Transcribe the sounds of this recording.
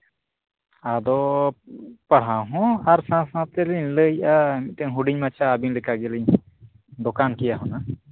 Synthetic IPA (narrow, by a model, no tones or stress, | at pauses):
ad̪ɔ | paɽ̤awɦɔ̃aɾsãsãt̪ɛliɲləjʔamiʔt̪ɛŋɦuɖiɲmat͡ʃʰaːbiŋlɛkaɡɛliɲ | d̪ɔkankijaɦɔna